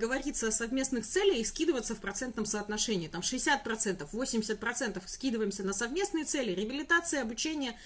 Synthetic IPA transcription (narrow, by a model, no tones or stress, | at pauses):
ɡəvɐɾʲit̪səɐsɐvmʲe̞snɨxt̪sɛlʲɪjɪskʲid̪ɨvət̪səfpɾɐt̪sɛnt̪nəmsəɐt̪nɐʂɛnʲɪːt̪amʂɨɪsʲat̪̚pɾɐt̪sɛnt̪əfvosʲɪmʲdʲɪsʲət̪̚pɾɐt̪sɛnt̪əfskʲid̪ɨvəjɪmsʲənəsɐvmʲe̞snɨjɪt̪sɛlʲɪɾʲɪəbʲɪlʲɪt̪at̪sɨjəɐbʊt͡ɕenʲɪjə